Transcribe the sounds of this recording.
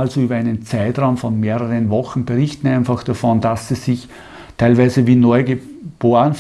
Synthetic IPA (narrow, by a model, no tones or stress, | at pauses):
alzoyːbɐæɪnənt͡sæɪtʁaʊmfɔnmeːʁəʁənvɔxn̩b̥eʁɪçtn̩æɪnfaxd̥afɔndasːi̥ɪç | tʰæɪlvæɪzəviːnɔʏɡe | b̥oːənf